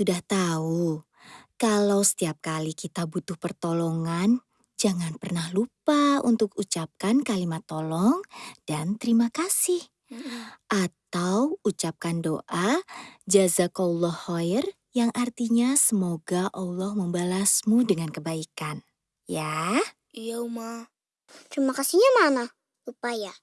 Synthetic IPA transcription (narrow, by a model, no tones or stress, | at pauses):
sudaht̪au | kalawsə̥t̪iap̚kalikit̪abut̪ʊhpərt̪olɔŋan | d͡ʒaŋanpərnahlupaṵnt̪ʊk̚ut͡ʃap̚kankalimat̪ːolɔŋd̥ant̪əɾimakasɪh | ʔat̪awut͡ʃap̚kandoʔad͡ʒazakaulːɔhɔjr | jaŋʔart̪iɲasəmoɡaʔɑlːɔhməmbalasmudəŋankəbaikan | ja | jawma | t̪əɾimakasiɲamana | upaja